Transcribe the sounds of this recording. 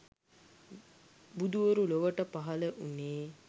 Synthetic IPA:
bud̪uʋəɾuloʋəʈəpaɦɐləʔuneː

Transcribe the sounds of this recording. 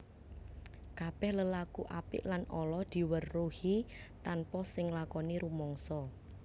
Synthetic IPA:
kab̥ɛhləlakuʔapɪ̰ʔlanʔɔlɔd̪̥i̤wərːuhit̪anpɔsɪŋlakɔniɾumɔŋsɔ

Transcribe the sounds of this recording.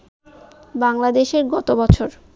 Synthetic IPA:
baŋlad̪eʃeɾɡɔt̪obɔt͡ɕʰoɾ

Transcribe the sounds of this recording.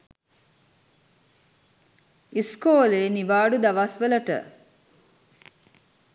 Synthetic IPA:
iskoːleːniʋaːɖud̪aʋasʋələʈə̰

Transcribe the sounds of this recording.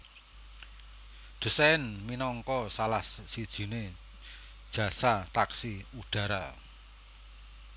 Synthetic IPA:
ɖ̪̥ə̤sɛɪnminɔŋkɔsalahsːid̥ʒ̥i̤ne | d̥ʒ̥ä̤sat̪aksiuɖ̥ä̤ɾa

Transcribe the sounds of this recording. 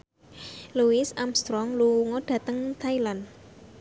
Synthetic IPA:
luɪsamst̪ɾɔŋluŋɔd̥ä̤t̪əŋt̪ʰailan

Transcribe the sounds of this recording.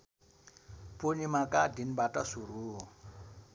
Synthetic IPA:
ponimakʼadinbatʼasuɾuːɦɔ

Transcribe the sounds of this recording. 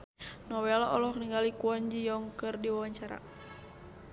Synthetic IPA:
nɔwɛlaɔlɔhniŋɡalikuɔɲd͡ʒijɔŋkɨrdiwawaɲt͡ʃaɾa̰

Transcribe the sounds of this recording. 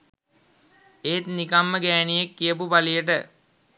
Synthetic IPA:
eːt̪nikamːəɡæːnijekːijəp̬upalijəʈ̬ə

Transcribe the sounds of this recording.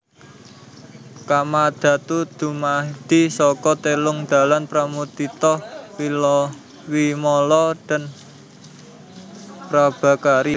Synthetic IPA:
kamad̪̥a̤t̪ud̪̥ṳmad̪̥i̤sɔkɔt̪elʊŋd̪̥a̤lanpɾamud̪it̪ɔwilɔ | wimɔlɔd̪̥a̤n | pɾab̥a̤kaɾi

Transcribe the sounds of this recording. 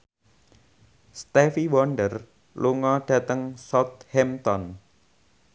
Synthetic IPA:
st̪ɛfiwɔnɖər | luŋɔɖ̥ä̤t̪əŋsɔt̪̚hɛmt̪ɔn

